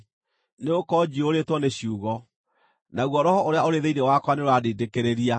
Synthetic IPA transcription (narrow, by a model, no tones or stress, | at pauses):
neokɔd͡ʑioɾetwɔneɕuːɣɔ | naɣwɔɾɔhɔʔoɾeaoɾeðeinewakwaneɾwadeːdekeɾeɾia